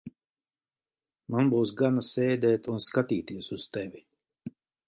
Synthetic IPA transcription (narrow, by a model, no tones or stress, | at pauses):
manbuːsɡanasɛːd̪ɛːt̪unskat̪iːt̪iɛsuz̥t̪ɛvʲi